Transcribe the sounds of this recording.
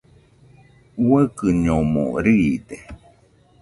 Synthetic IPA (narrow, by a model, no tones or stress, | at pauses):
wəkɨɲomo̰ɾiːd̪e